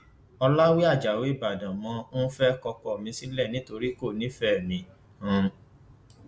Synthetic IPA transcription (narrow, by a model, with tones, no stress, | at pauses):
ɔ˧la˦wi˦a˦˨d͡ʒa˨we˨˦i˦˨ba˨dã˨mɔ̃˧˦fɛ˦kɔ˧kɔ˧˨mĩ˧si˦lɛ˦˨nĩ˨˦to˧ɾi˦ko˦˨nĩ˦fɛ˦˨mĩ˨˦ | hã˧˦